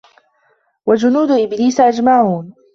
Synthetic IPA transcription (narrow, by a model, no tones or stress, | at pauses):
wad͡ʒʊnuːd̪ʊʔɪbliːsʔad͡ʒmaʕuːn